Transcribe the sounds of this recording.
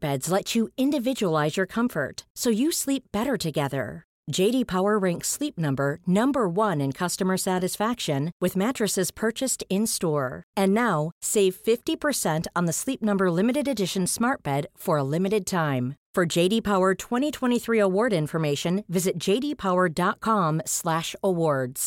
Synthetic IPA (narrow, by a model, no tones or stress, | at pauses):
b̥ɛdz̥lɛt͡ʃɨɪ̃ndɨvɪd͡ʒɨəlaɪzjə˞kʰʌ̃ɱfə̰˞tsoʊjɨslip̚b̥ɛɾə˞ɾɨɡɛðə̰̥˞ | d͡ʒeɪɾipʰaʊə˞ɹɛ̃ŋkslip̚nʌ̃mbə˞nʌ̃mbə˞wʌ̃nɨ̃nkʰʌstɨmə˞sæɾɨsfækʃɨ̃nwɨðmæt͡ʃɹ̥ɨsɨz̥pʰɜ˞t͡ʃɨstɪ̃nstɔɹɨ̃nːaʊseɪv̥fɪftipʰə˞sɛ̃ntn̩ðəslip̚nʌ̃mbə˞lɪ̃mɨɾɨɾɨdɪʃɨ̃n̩smɑɹt̚b̥ɛd̥fə˞əlɪ̃mɨɾɨd̚tʰãɪ̃mfə˞d͡ʒeɪɾipʰaʊə˞tʰw̥ɛ̃ɾ̃itʰw̥ɛ̃ɾ̃iθɹiəwɔɹɾɪ̃ɱfə˞meɪʃɨ̃nvɪzɨt̚d̥ʒ̥eɪɾipʰaʊə˞dɑt̚kʰɑ̃mslæʃəwɔɹdz̥